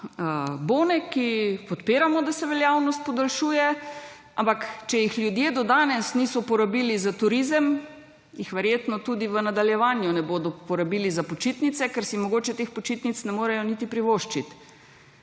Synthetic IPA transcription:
boːnɛkipɔt̪piːɾamɔd̪asɛʋɛljaːwnɔst̪̚pɔd̪alʃuːjɛ | a̰mpakt͡ʃɛjixlʲjud̪jeːd̪ɔd̪aːnɛsniːsɔpɔɾabilizat̪uɾizəm | jixʋɛɾjeːt̪nɔt̪ud̪iʋənad̪aljɛʋaːnjunɛboːd̪ɔpɔɾabiːlizapot͡ʃit̪nit̪sɛkɛɾsimɔɡoːt͡ʃɛt̪expɔt͡ʃit̪nit̪snɛmoːɾɛjɔnit̪ipɾiʋoːʃt͡ʃit̪

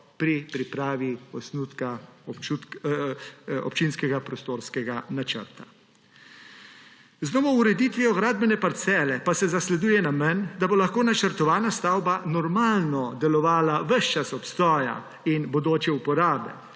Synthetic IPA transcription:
pɾipɾipɾaːʋiɔsnut̪kaɔu | ɔ̰pt͡ʃinskɛɡapɾɔst̪oːɾskɛɡanat͡ʃə̰ɾt̪ḁ | znɔːmɔuɾɛd̪iːt̪ʋiɔɡɾaːd̪̚bɛnɛpaɾt̪sɛːlɛpasɛzaslɛd̪uːjɛnamɛnd̪abolaxkoːnat͡ʃəɾt̪ɔʋaːnast̪awbanɔɾmaːlnɔd̪ɛlɔʋaːlaʋəʃt͡ʃasɔpst̪ɔːja̰ | inbod̪oːt͡ʃɛupɔɾaːbɛ̰

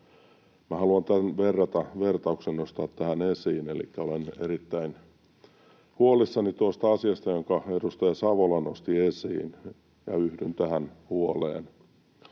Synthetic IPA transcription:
mæhɑluɑnt̪ænʋerːɑt̪ɑʋert̪ɑuksenːost̪ɑːt̪ːæhænesiːnelḭkːæoleneɾit̪ːæin | huolisːɑnit̪uost̪ɑɑsiɑst̪ɑjoŋkɑedust̪ɑjɑsɑʋolɑnːost̪iesḭːn | jɑ̰yhdynt̪æhænhuolḛːn

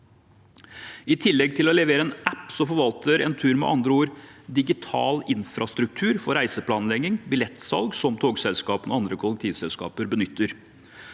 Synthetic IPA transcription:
ɪt̪ʰɪlːɛɡ̚t̪ʰɪlɔlɛʋeːɾəɛːnæpːsɔmfɔɾʋɑlt̪ʰəɾɛ̰nt̪ʰʉːɾmɛ̰ʔɑ̰nd̪ɾəoːɾd̪ɪɡɪt̪ʰɑ̰ːlɪnfɾɑst̪ɾʉk̚t̪ʰʉːɾfɔɾæɪsəpʰlɑːnlɛɡɪŋbɪlɛt̪sɑ̰lɡsɔmt̪ʰoːɡsɛlskɑːpənɔɑnd̪ɾəkʰʊlːɛk̚t̪ʰiːʋsɛlskɑ̰ːpəɾbənʏt̪ːəɾ

